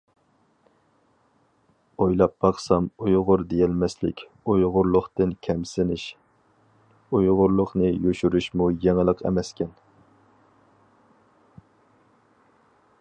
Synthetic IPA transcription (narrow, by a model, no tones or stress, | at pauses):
ojlˠɑp̚bɑχsɑmujʁʊɾd̪ejɛlmɛslɪkʲ | ujʁʊɾlˠʊχt̪ɨnkʲʰɛmsɪnɪʃ | ujʁʊɾlˠʊχnɨjøʃyɾyʃmujɛŋlˠəqɛ̰mɛskʲʰɛn